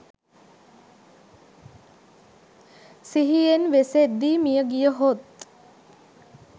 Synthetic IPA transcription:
siɦijenʋesed̪ːiːmijəɡijəɦot̪̚

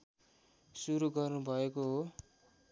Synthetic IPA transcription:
suɾuɡʌrnubʱʌekoɦo

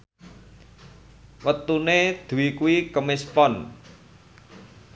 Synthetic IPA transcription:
wət̪uned̪̥ṳwikuikəmɪspɔn

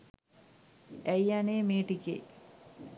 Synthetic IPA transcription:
æjaneːmeːʈikḛ

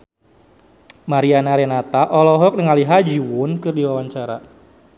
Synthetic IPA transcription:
maɾianaɾenat̪aʔɔlɔɦɔk̚nəŋaliɦad͡ʒiwʊnkɨrdiwawaɲt͡ʃaɾa̰

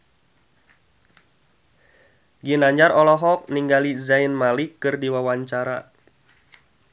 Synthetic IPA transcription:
ɡinaɲd͡ʒaɾɔlɔɦɔk̚niŋɡalizajnmalikɨrdiwawaɲt͡ʃaɾa̰

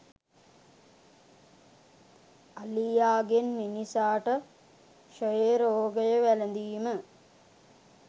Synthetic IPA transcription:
alijaːɡenminisaːʈə | ʃojeɾoːɡəjəʋælənd̪iːmə

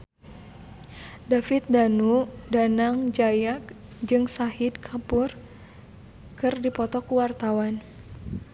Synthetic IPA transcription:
dafɪt̪̚danudanaŋd͡ʒajak̚ | d͡ʒɨŋsahɪd̪̚kʰapur | kɨrdipɔt̪ɔkuwart̪awan

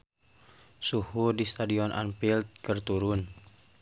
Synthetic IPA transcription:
suhudist̪adiɔnʔa̰npilt̪̚kərt̪uɾʊn

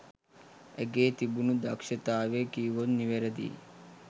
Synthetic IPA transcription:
eɡeːt̪ibunud̪akʂɐt̪aːʋekiːʋonniʋeɾɐd̪ḭ

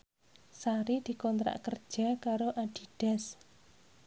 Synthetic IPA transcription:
saɾid̪̥i̤kɔnt̪ɾa̰ʔkərd̥ʒ̥a̤kaɾoʔaɖ̥i̤ɖ̥ɛ̤s

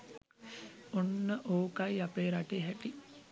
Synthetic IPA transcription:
onːəʔoːkaiapeːɾaʈeɦæʈi

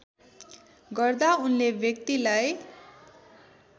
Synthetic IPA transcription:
ɡʌrd̪aunlebjʌk̚t̪ilaj

